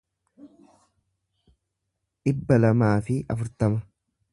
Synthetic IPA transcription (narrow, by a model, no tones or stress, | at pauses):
ᶑɪbːɐlɐmaːfɪʔɐfʊɾt̪ɐmɐ